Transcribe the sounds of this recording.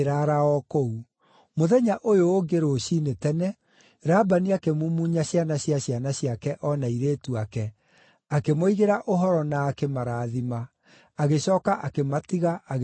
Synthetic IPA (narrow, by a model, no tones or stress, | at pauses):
ɾaɾaɔkou | moðɛɲaʔojoːɡeɾoɕinetɛnɛ | ɾabaniakemumuɲaɕjanaɕiaɕjanaɕjakɛʔɔnaiɾeːtuakɛ | akemoiɣeɾaʔoɦɔɾɔnaːkemaɾaːðima | aɣeɕɔːkaʔakematiɣaaɣ